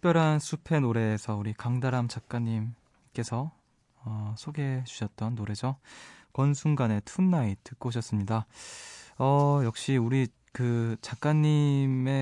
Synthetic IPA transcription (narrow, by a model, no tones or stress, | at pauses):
tʰu̥kpjʌɾɦansʰupʰe̞noɾe̞ːsʰʌuɾikaŋdaɾamt͡ɕak̚k͈aɲːim | k͈e̞sʰʌ | ʌsʰoɡe̞d͡ʑu̥ɕʰʌt̚t͈ʌnːoɾe̞d͡ʑʌkʌnsʰuŋɡane̞tʰunːaitɯk͈oɕʰʌs͈ɯmɲida | ʌjʌk̚ɕ͈iuɾi | kɯt͡ɕak̚k͈aɲːime̞